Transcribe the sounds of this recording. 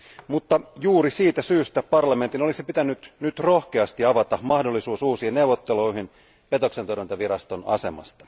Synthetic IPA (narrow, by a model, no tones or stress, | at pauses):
mut̪ːɑjuːɾisiːt̪æsyːst̪æpɑrlɑme̞nt̪ino̞lisipit̪ænːyt̪nyt̪ro̞hke̞ɑst̪iɑʋɑt̪ɑmɑhdolːisuːsuːsiːnne̞uwʋot̪ːeloiɦin | pe̞t̪o̞ksent̪orɾmint̪ɑʋiɾɑst̪o̞nɑ̰se̞mɑ̰st̪ɑ̥